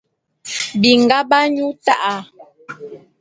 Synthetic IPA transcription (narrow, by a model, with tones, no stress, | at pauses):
bi˨ŋ̩˨ɡa˦ba˦ɲu˦ta˦ʔa˨